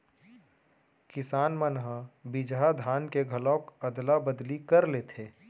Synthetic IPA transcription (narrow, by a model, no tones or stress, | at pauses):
kɪsaːnmənɦəbɪd͡ʒɦad̪ʱaːnkeɡʱɐlɔːkɐd̪labəd̪likɐɾleːt̪ʰeː